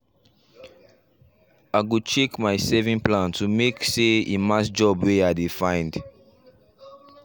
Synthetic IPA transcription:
aɪɡut͡ʃekmajsɛvĩŋplãntumekseimasd͡ʒɔbweadefãɪ̃nd

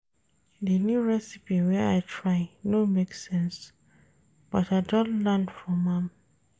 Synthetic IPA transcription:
ðənjuɹɛsipiwɛaɪtʰɹaɪnomeksɛ̃ns | b̥ɔtaɪdɔ̃nlãndfɹɔ̃mãm

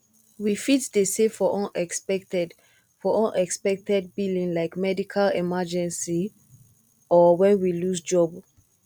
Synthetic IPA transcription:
wifitsdesefɔʔɔ̃nɛksɛktɛd | fɔʔɔ̃nɛkspɛk̚tɛd̚bilĩŋlaɪkmɛdikʰalɛmad͡ʒɛ̃nsi | ɔwɛ̃nwilusd͡ʒɔb

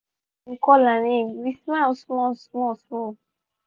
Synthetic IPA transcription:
ŋ̩kɔlaneɾismasɔsmɔsɔ

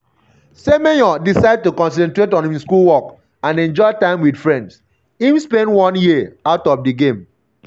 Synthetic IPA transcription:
semejɔdisaɪd̚tukɔ̃ns̬ɛ̃ntɹetɔ̃nĩiskulwɔk | ãnɛ̃nd͡ʒɔɪtãɪ̃mwid̥fɹɛ̃nds | ĩmspɛ̃ndwɔ̃njiaʊtɔfdiɡẽm

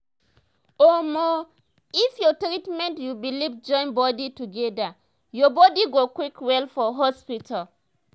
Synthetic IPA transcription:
omɔ | ifjɔtɾitmɛ̃ntjubilivd͡ʒɔ̃ɪ̃nbɔdituɡɛda | jɔbɔdiɡokwikwɛlfɔɦɔspitʰal

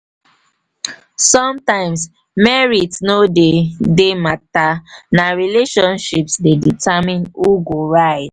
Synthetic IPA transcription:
sɔ̃mtãɪ̃ms | mɛɹitnodedematanaɹileʃɔ̃nʃipsdeditʰamĩnuɡoɹaɪd

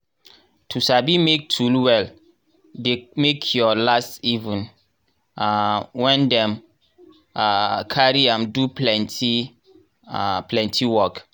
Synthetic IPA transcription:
tʰusabimek̚tʰulwɛl | demekʰjɔlastivũn | awɛ̃ndɛ̃m | akʰaɹiãmduplɛnti | plɛ̃ntʰiwɔk

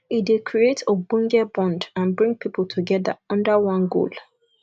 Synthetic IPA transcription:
idekʰɹietʰobɔ̃ŋɡɛbɔ̃ndãnbɹĩŋɡ̚pʰipʰltʰuɡɛða̰ɔ̃ndəwɔ̃nɡo̰l

